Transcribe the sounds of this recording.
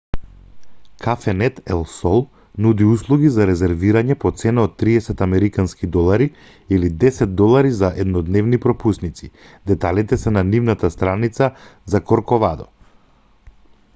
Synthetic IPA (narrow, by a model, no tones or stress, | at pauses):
kʰafɛnɛt̪ɛlˠsɔlˠ | nud̪iuslˠuɡizaɾɛzɛɾviɾaɲɛpɔt̪sɛnaɔt̪ːɾiɛsɛt̪amɛɾikanskid̪ɔlˠaɾi | ilid̪ɛsɛt̪̚d̪ɔlˠaɾizaʔɛd̪nɔd̪nɛvnipɾɔpusnit̪si | d̪ɛt̪alit̪ɛsɛnanivnat̪ast̪ɾanit̪sazakɔɾkɔvad̪ɔ